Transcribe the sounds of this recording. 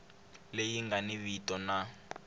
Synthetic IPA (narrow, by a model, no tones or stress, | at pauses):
lejiŋɡaniβitɔna